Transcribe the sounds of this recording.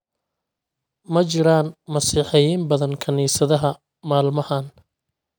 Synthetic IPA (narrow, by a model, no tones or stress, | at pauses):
mɐt͡ʃɪɾaːnmɐsiːħɛjiːmbɐðɐnkʰɐniːsɐðɐɦɐ | maːlmɐhan